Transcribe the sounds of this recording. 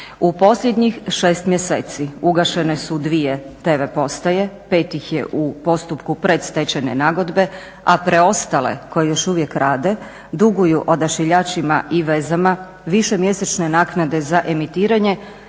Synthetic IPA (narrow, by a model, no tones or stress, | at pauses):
upo̞sʎʲed̪ɲixʃe̞ːst̪mjeseːt̪siuɡaʃe̞ne̞sud̪ʋije̞t̪eːʋe̞po̞st̪aje̞pe̞ːt̪ixjḛʔupo̞st̪upkupɾe̞d̪st̪e̞t͡ɕenenaɡo̞d̪be̞ | apɾʔe̞o̞st̪alḛko̞jejo̞ʃuʋje̞kɾaːd̪e̞ | d̪uɡujuʔo̞d̪aʃiʎat͡ʃimaʔiʋezama | ʋiʃemje̞set͡ʃne̞naːknad̪e̞zaʔe̞mit̪iːɾaɲe̞